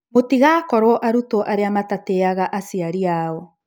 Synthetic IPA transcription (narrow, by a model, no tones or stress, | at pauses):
motiɣakɔɾwɔʔaɾutoʔaɾeamatateaɣaʔasiaɾiaɔ